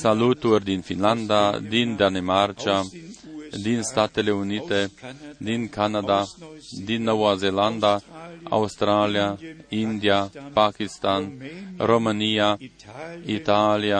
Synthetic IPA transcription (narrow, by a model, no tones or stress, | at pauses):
salut̪urʲd̪infinland̪ad̪ind̪anemart͡ʃa | d̪inst̪at̪e̞le̞unit̪e̞d̪inkanad̪ad̪inːowaze̞land̪aa̰ust̪ɾaliaind̪iapakist̪anro̞mɨnija | it̪alija